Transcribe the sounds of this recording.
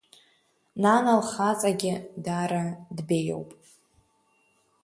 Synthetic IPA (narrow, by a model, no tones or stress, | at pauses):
nanalχat͡sʼaɡʲɪdaɾadbe̞jo̰wpʼ